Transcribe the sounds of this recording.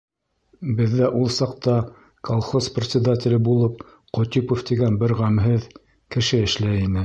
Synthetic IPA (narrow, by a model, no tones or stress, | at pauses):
bɘ̆ðːæʔulˠsɑqt̪ɑ | kʰolˠχosprʲɪt̪sʲɪd̪at̪ʲɪ̆lʲɘbulˠɤp̚ | qŏt̪ʲipoft̪iɡænbɘɾʁæmɦɘð | kɘ̆ʃɘɘ̆ʃlæinɘ